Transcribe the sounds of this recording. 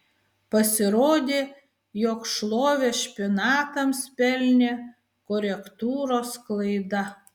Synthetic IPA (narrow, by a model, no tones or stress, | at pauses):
pɐsʲɪɾoːd̪ʲeː | joːkʃlˠoːʋʲeʃʲpʲɪnɑːt̪ɐmspʲɛlʲnʲeː | kɔɾʲɛkt̪uːɾoːsklˠɐɪd̪ɐ